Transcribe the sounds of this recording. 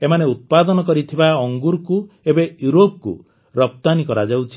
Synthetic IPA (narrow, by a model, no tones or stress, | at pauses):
emaneut̪̚pad̪ɔnɔkɔɾit̪ʰibaɔŋɡuɾku | ebejuɾop̚kṵ | ɾɔp̚t̪anikɔɾad͡ʒawt͡ʃʰi